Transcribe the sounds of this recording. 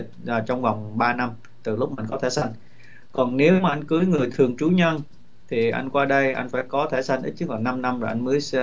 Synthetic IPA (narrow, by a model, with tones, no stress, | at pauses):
a˨˩t͡ɕɔ˧wŋ͡mva˨˩wŋ͡mɓaː˧na˧m | t̪ɨ˨˩lʊ˦˥k͡p̚ma˨˧˩ŋkɔ˨˦t̪ʰe˧˩sa˧jŋ̟ | kɔ˨˩nne˨˦wmaː˨ʔa˧jŋ̟kɨː˨˦jŋɨ˨˩əjt̪ʰɨ˨˩əŋt͡ɕu˨˦ɲə˧n | t̪ʰi˨˩ʔa̰˧jŋ̟kwaː˧ɗə˧jʔa̰˧jŋ̟faː˧˩jkɔ˨˦t̪ʰe˧˩sa˧jŋ̟ʔi˦˥t̚t͡ɕɨ˦˥k̚laː˨˩na˧mna˧mzɔː˨˩ʔa˧jŋ̟mɨː˨˦js